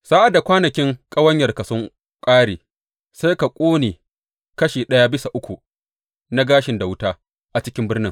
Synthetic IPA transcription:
saː˦ʔa˨da˨kʷaː˦nɐ˨kʲɪ˦ŋkʼɐ˦wɐ˦ɲjɐ˨rka˨sʊ˦ŋ | kʼaː˦ɽiː˨ | sa˦jka˨kʷʼoː˦neː˨ | kɐ˦ʃiː˨ɗɐ˦ja˦bɪ˦sa˨ʔʊ˦kʷu˨ | na˦ɡaː˦ʃɪ˨nda˨wʊ˦taː˦ | ʔa˨t͡ʃɪ˦kʲɪ˦mbɪ˦rnɪ˦ŋ

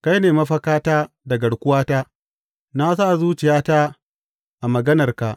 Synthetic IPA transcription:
ka˦jneː˨mɐ˦ɸɐ˦kaː˦taː˦ | dɐ˨ɡɐ˨ɽkʷʊ˦waː˦taː˦ | na˦s̬aː˦˨zuː˦t͡ʃɪ˨jaː˦ta˦ | ʔa˨mɐ˨ɡɐ˦nɐ˨rka˨ʔ

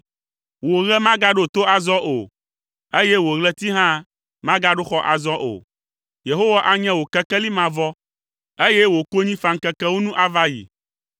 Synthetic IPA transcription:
wo˨ɣɛ˦mã˦ɡa˦ɖo˦˨t̪o˦a˨zɔ˦ʔo˨ | e˦jɛ˦wo˨ɣlɛ˦t̪i˦ɦã˦ | mã˦ɡa˦ɖo˦xɔ˦ʔa̰˨zɔ˦ʔo̰˨ | je˨ɦo˦wa˦ʔa˦ɲɛ̃˦wo˨kɛ˦kɛ˦li˦mã˨vɔ˦ | e˦jɛ˦wo˨ko˦ɲĩ˦fa˨ŋ̩˨kɛ˦kɛ˦wo˦nũ˦ʔa˦va˦jḭ˨

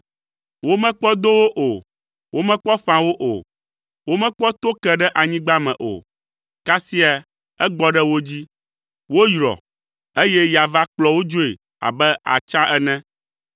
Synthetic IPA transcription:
wo˦mɛ̃˦k͡pɔ˦d̪o˦wo˦ʔo˨ | wo˦mɛ̃˦k͡pɔ˦ɸã˨wo˦ʔo̰˨ | wo˦mɛ̃˦k͡pɔ˦t̪o˦kɛ˦ɖɛ˦ʔa˨ɲĩ˦ɡ͡ba˦mɛ̰̃˨ʔo̰˨ | ka˦si˦a˨ | ɛ˦ɡ͡bɔ˦ɖɛ˦wo˦d͡ʑi˦ | wo˦jɾɔ̰˨ | e˦jɛ˦ja˨va˦k͡plɔ˨wo˦d͡ʒo˦e˨ | a̰˨bɛ˦a̰˨t͡ʃã˦ʔɛ˦nɛ̃˦

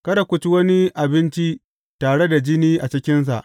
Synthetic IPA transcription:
kɐ˦ɾɐ˨kʷʊ˨t͡ʃi˦wɐ˦ni˦ʔa˨bɪ˦nt͡ʃi˦ | taː˨ɽe˦da˨d͡ʒɪ˦niː˦ʔa˨t͡ʃɪ˦kʲɪ˦ns̬a̰˨ʔ

